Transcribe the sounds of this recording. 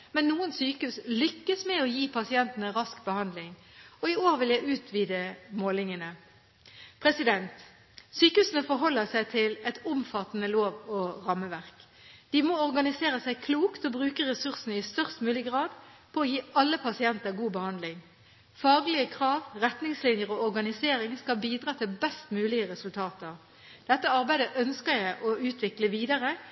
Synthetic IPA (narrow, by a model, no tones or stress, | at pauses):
mɛnːuːənsyːkʉslʏkːəsmɛɔjiːpʰɑsɪɛnt̪ənəʁɑskbəhɑnd̪lɪŋ | ɔɪoːʁʋɪljæɪʉːt̪ʰʋiːd̪əmoːlɪŋənə | pʰʁɛsɪd̪ɛnt̪ | syːkəʉːsən̩əfɔɾɦɔlːəsæɪt̪ʰɪlɛt̪ʊmfɑt̪ːənəloːʋɔʁɑmːəʋæʁk | d̪̥ɪmoɔʁɡɑnɪseːɾəsæɪkʰluːkt̪ɔbʁʉːkəʁɛsʉʁsn̩ɪst̪œʁst̪mʉːlɪɡʁɑːd̪pʰɔːjiːʔɑlːəpʰɑsɪɛnt̪əʁɡuːbəhɑnd̪lɪŋ | fɑːɡlɪəkʰʁɑːʋʁɛt̪nɪŋslɪnjəʁɔɔʁɡɑnɪseːɾɪŋskɑlbiːd̪ʁɑːt̪ʰɪlbɛst̪mʉːlɪəʁɛsʉlt̪ʰɑːt̪əʁ | d̪̥ɛt̪ːəɑʁbæɪd̪əʔœnskəʁjæɪʔɔʉːt̪ʰʋɪkləʋiːd̪ɑʁə